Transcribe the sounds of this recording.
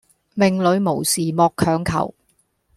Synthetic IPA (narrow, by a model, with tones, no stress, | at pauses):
mɪ˨˩ŋlɵ˨˧ɥmo˨˩wsiː˨mɔː˧kʰœː˨˧ŋkʰɐ̰˨˩w